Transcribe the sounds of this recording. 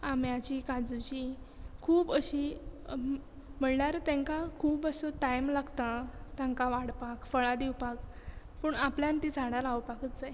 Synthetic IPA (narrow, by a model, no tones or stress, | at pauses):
amjat͡ɕikad͡zut͡ɕi | kʰuːbəɕi | m̤əɳɳjaɾt̪jãŋkakʰuːbəsətajmlaɡt̪ãt̪jãŋkaʋaɽpakfəɭad̪iwpak | pəːɳapljant̪it͡saɽalawpakət̪d͡zaj